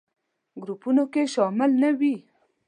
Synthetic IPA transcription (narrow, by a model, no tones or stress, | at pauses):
ɡɾupunokeʃɑmɪlnawi